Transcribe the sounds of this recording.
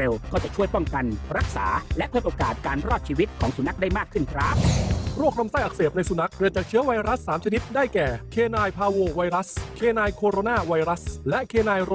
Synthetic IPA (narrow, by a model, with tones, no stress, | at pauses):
e˧wkɔː˥˩t͡ɕa˨˩t͡ɕʰu˥˩əjpɔ˥˩ŋka˧nɾa˦˥k̚sa̰ː˩˦lɛ˦˥ʔpʰɯ˥˩t̪ʔoː˧kaː˨˩t̪̚kaː˧nɾɔː˥˩t̪̚t͡ɕʰiː˧wi˦˥t̪̚kʰɔː˩˦ŋsu˨˩na˦˥k̚da˥˩jmaː˥˩kʰːɯ˥˩nkʰɾa˦˥p̚ɾu˥˩ək̚ɾa˧msaː˥˩jʔa˨˩k̚seː˨˩p̚na˧jsu˧˩na˦˥k̚ɾi˨˩t͡ɕaː˨˩k̚t͡ɕʰɯ˦˥əwa˧jɾa˦˥sːaː˩˦mt͡ɕʰa˧ni˦˥t̪̚daː˥˩jkɛː˨˩kʰeː˧naː˧jpʰaː˧woː˧˩wa˧jɾa˦˥skʰeː˧naː˧jkʰoː˧ɾoː˧naː˥˩wa˧jɾa˦˥slɛ˦˥ʔkʰeː˧naː˧j